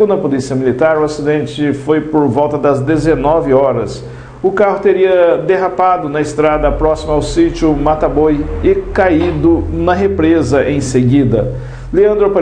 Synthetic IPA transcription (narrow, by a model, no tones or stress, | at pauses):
ũd̪ɐpolisiɐmilit̪aɾʊasid̪ẽnt͡ʃɪfojpoɾvɔwt̪ɐd̪ɐzd̪ezenɔvɪɔɾɐs | ʊkaɦʊt̪eɾiɐd̪eɦapad̪ʊnɐɪst̪ɾad̪ɐpɾɔsimɐawsit͡ʃʊmat̪abojɪkaid̪ʊnɐɦepɾezɐʔẽj̃seɡid̪ɐ | leɐ̃nd̪ɾʊp